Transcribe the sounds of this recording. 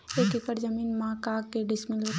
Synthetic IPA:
eːkɪkəɾd͡ʒɐmiːnmãːkaːkːeɖɪsmɪlu

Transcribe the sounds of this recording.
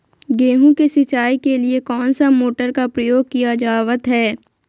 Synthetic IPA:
ɡeːɦũkesɪt͡ʃaːikeliekɔːnsamoːʈəɾkapɾəjoːɡ̚kijad͡ʒaːʋət̪ɦɛː

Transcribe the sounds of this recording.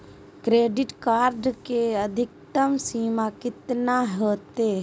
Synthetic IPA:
kɾeːɖɪʈkaːɾɖkeəd̪ʱɪk̚t̪əmsiːmakɪt̪naɦəːt̪e

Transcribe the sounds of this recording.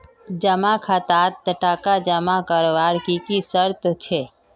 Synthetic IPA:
d͡ʒəmakʰat̪at̪ːəʈakad͡ʒəmakəɾʋaɾkikisəɾt̪t͡ʃʰe

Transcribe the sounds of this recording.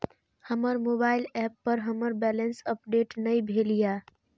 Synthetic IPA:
həməɾmobaɪlɛpːəɾɦəməɾbɛlənsəpɖeʈnəjbʱelija

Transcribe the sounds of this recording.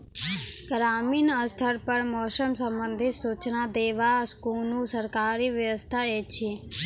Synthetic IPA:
ɡɾaminəst̪ʰəɾpəɳmɔːsəmsəmbənd̪ʱisut͡ʃnad̪eʋaskunũsəɾkaɾiʋjəʋəst̪ʰaet͡ʃʰi

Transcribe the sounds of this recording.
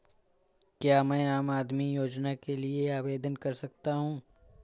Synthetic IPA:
kjaːmɛ̃ːaːmaːd̪mijoːd͡ʒnakelieaːʋeːd̪ənkɐɾsɐk̚t̪aɦũː

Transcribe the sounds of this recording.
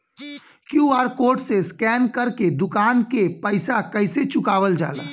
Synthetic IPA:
kjuaːɾkoːɾʈseskɛːnkəɾked̪ʊkaːnkepəɪsakəɪset͡ʃʊkaːʋəld͡ʒa̰ːla̰ː

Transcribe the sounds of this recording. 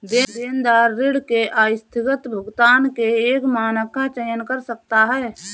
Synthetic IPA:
d̪eːd̪eːnd̪aːɾːɪɽkeaːjɪst̪ʰɪkət̪bʱəɡt̪aːnkeeːkmaːnəkat͡ʃəjənkəɾsək̚t̪aɦɛː

